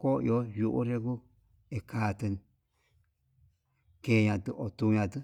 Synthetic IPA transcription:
ko˦j̰o˦ju˧ʔṵ˦ɾe˧ku˦ | e˧kaː˨˧t̪ɨ˧n | ke˧˨˧ɲã˧t̪ɨ˧ʔo˨t̪u˧ɲã˧t̪ɨ˦

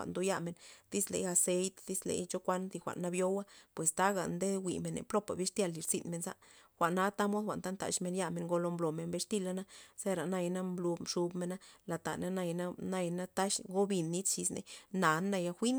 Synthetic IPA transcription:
a̰˨ʔnd̪o˧ja˦me˧˨nd̪i˦slḛ˧ja˧se˧jt̪d̪i˦slḛ˨˦jt͡ʃo˦kʷa˦nzi˧xʷa̰˨ʔnːa˧bjo˦wa˦pwe˨st̪a˦ɡa̰˨nd̪e˦wi˨me˨nḛ˨plo˦pa̰˨bi˦ʂt̪ja˧˨lːi˨ɾsḭ˦˧nme˧nza̰˦ʔ | xʷa˨na˦t̪a˦mo˦d̪xʷa̰˨ʔnt̪a˦nt̪a̰˨ʃme˧nja˦me˧ŋɡo˧lo˧mblo˨me˧nbe˧ʂt̪i˦˧la˦na˦se˦ɾa˨na˧jna˦mblu˧ʂu˧bme˧na˦la˨t̪a̰˨na˦na˧jna˦na˧jna˦t̪a˦ʃɡo˦bi˧nːi˦t͡st͡ʃi˧snḛ˧na˨nːa˧ja˧xʷi˦n

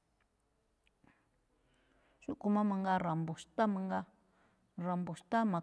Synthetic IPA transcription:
ʃu˦ʔku˨mã˦mã˧ŋɡa˧ɾa˨mbu˨st̪a˦mã˧ŋɡa˦ | ɾa˨mbu˨st̪a˦mã˨

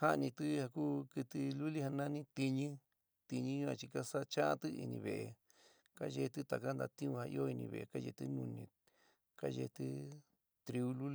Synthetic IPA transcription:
ha˦˧nĩ˧t̪ɨ˦ha˧kuː˦kɨ˧t̪ɨ˧lu˦li˦ha˧nã˦nĩ˦t̪i˧ɲĩ˦ | t̪i˧ɲĩ˦ɲũ˦ã̰˧t͡ʃi˧ka˦sa˦t͡ʃa˦ʔa̰˦t̪ɨ˦ḭ˧nĩ˧βe˨ʔe˧ | ka˦ʒe˧t̪ɨ˦t̪a˨ka˦nd̪a˧t̪ĩ˦ũ˧ha˧ḭ˧o˦i˧nĩ˧βḛ˧˨e˧˨ka˦ʒḛ˧t̪ɨ˦nũ˧nĩ˧ | ka˦ʒe˧t̪ɨ˦ | t̪ɾi˧u˦lu˦l

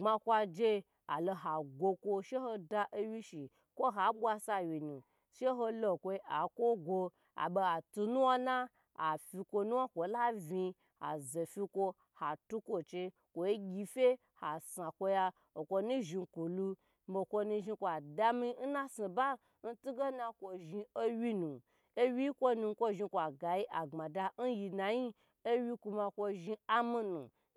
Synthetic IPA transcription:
ŋ͡ma˧kʷa˧d͡ʒe˧ | a˨lo˧ɦa˨ɡʷo˧kʷo˧ʃe˦ho˧da˧ʔe˦wi˦ʃi˨ | kʷo˦ɦa˨˦ɓʷa˧sa˧wi˨nũ˨ | ʃe˦ɦo˧lo˧˨kʷo˧ʔa˨kʷo˦ɡʷo˧ | a̰˨ɓe˧a˨tu˧nu˦wa˦na˦ | a˨fi˧kʷo˧nu˦wa˦kʷo˨˦la˦vi˧ | a̰˨ze˨fi˧kʷo˧ | ha˨tu˦kʷo˨t͡ʃe˧ | kʷo˨i˦ɡʲi˧fʲe˦ | ha˨sa˨kʷo˧ja˧ | o˨kʷo˧nũ˦ʒi˧ku˨lu˧˦ | bo˧˨kʷo˧nũ˧ʒi˧kʷa˨da˧mi˧n̩˦na˦si˨ba˦ | n̩˦tu˦ɡe˦na˧kʷo˧ʒi˧o˦wʲi˦nũ˨ | e˦wʲi˦kʷo˦nu˧˦kʷo˦˧ʒi˧kʷa˨ɡa˨ji˦ʔa˨ŋ͡ma˨da˧n̩˦ji˧na˨ji˦ | o˦wʲi˧ku˧ma˧kʷo˧ʒi˧a˦mi˧nṵ˨

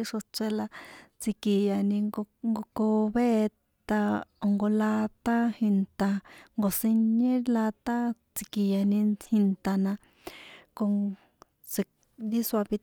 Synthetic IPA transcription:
i˦ʂo˧t͡se˧la˧t͡si˧ki˨ja˨nĩ˧ŋɡo˧ko˧βe˦ | t̪a˧o˨ŋɡo˧la˧t̪a˦hi˧nt̪a˧ŋɡo˨si˧ɲẽ˦la˧t̪a˦t͡si˧ki˨ja˨nĩ˧hi˧nt̪a˧nã˧ | ko˧ŋ | se˧ | d̪i˦swa˧βi˧

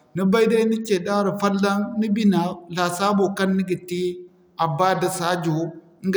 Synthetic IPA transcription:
ni˦ba˦jda˦ni˦t͡ʃe˨da˦ɾi˨fa˦lːa˦nni˦bi˦na˨la˨sa˦bo˨ka˦nːi˦ɡi˨ti˦ | a˨ba˦da˨sa˦d͡ʒu˨˦ | ŋ˦ɡ

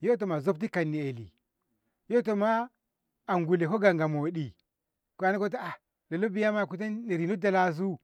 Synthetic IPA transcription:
jo˦t̬o˨ma˨zo˦b̚ti˦ka˨nːi˨e˨lḭ˨ | jo˦t̬o˨ma˦ | a˨ŋɡu˨le˨ko˦ɡa˨ŋɡa˨mo˨ɗi˨ | kʷa˨˦na˦ko˦t̬a˦a˨ | la˨lo˦bi˦ja˦ma˦˨ku˦t̬a˦ne˨ɾi˨no˦da˨la˦˨zu˦

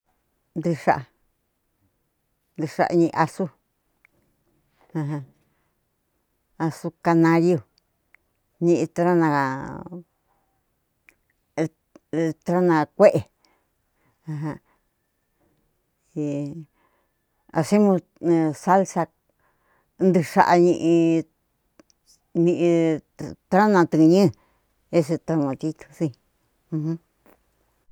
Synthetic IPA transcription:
nd̪i˧ʂa̰˨ʔ | nd̪i˧ʂa̰˧ʔɲĩ˧ʔa˧su˦ | ã˧ɦã˧ | a˧su˧ka˧nã˧jju˧ | ɲĩ˧ʔt̪ɾa˦nã˧ | t̪ɾa˦nã˧kʷe˦ʔe˨ | ã˧˨ɦã˧ | i˧ | a̰˧se˦mũ˧ | sa˦lsa˧ | nd̪ɨ˧ʂa̰˧ʔa˧ɲĩ˧ʔĩ˧ | nĩ˧ʔĩ˧t̪ɾa˦nã˧t̪ɨ˧ɲĩ˦˨ | e˦s̬e˧t̪a˧mõ˧t̪i˧t̪u̥˧sĩ˧ | hũ˦

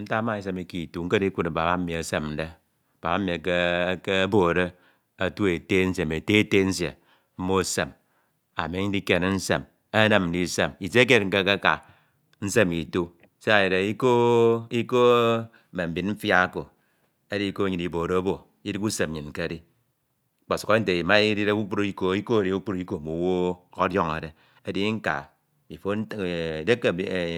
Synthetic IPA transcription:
n̩˦ta˦ma˦i˦s̬e˦mi˨ki˨tu˦ŋ̩˦ke˦i˦ku˦ne˨ba˨ba˦m̩˦mi˨a˨se˦mn̩˦de˦˨ | ba˨ba˦mi˨kke˦bo˨ɾe˦ | a˨tu˦e˨te˦n̩˦se˨m˨e˨te˦te˦n̩˦s̬ḛ˨ | m̩˦mo˦˨se˨m | a̰˨me˨˦ɲ̩˦di˦ke˨n˦n̩˦se˨m | e˦ne˦mn̩˨di˦se˨mi˨se˦k̬e˦t̚ŋ̩˦ke˦ke˦ka̰˨ | n̩˦se˦mi˨tu˦ | se˦a˨je˨ɾe˨i˦ko˦i˦ko˦˨ | me˨m̩˨bi˨nm̩˦fja˦ko˨ | e˦di˦i˦ko˦ɲi˨ni˨bo˨ɾo˦bo˨ | i˦di˦ku˦se˨m˨i˨ŋ̩˨ke˦di˦ | k͡po˨su̥˨ko˦n̩˦te˨i˨ma˦i˦di˦ɾe˦u˦k͡pu˦ɾi˦ko˦i˦ko˦e˨ɾi˨˦u˦k͡pu˦ɾi˦ko˦˨mu˨wo˦o˦djo˦ŋḛ˨de˨ | e˦di˦ŋ̩˦ka̰˨ | i˨fo˦n˦˨de˦kːe˨˦˨

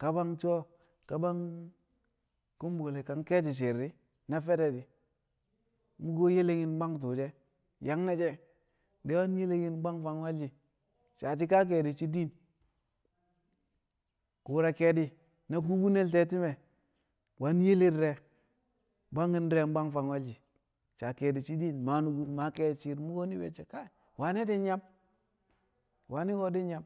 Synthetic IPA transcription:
ka˨ba˦ŋt͡ʃo˦ | ka˨ba˦ŋ | ku˦mbo˨le˨ka˨ŋke˦t̬i˨ʃ̬e˨ɾi˦ | na˦fe˦ɾe˨di˨ | mu˦ɡo˦je˦le˦ŋi˦nba˦ŋt̬u˨d͡ʒe˦ | ja˨ŋna˦d͡ʒɛ˦ | de˦wa˦nje˦le˦ɡi˦n˦ɡ͡ba˦ŋfa˦nwa˦d͡ʒi˨ | t͡ʃa˨t̬i˦ka˦k̬e˨di˨t͡ʃi˦di˦n | ku˨ɾa˨ke˨di˦ | na˨k̬u˦bu˦ne˦lte˦ti˦me˨ | wa˦n˦je˦li˦ɾɾe˨˦ | ba˦ŋi˦nɾe˨˦m˦ba˦ŋfa˨ŋwa˦d͡ʒi˨ | t͡ʃa˨ke˨di˨t͡ʃi˦di˦nma˨nu˨ɡu˦nma˨ke˨t͡ʃi˨ɾmu˦ɡo˦ni˦wḛ˨t͡ʃe˨ka˦˨ | wa˨ni˦di˦nɲa˦m | wa˨˦ni˦ɡo˦di˦nɲa˦m

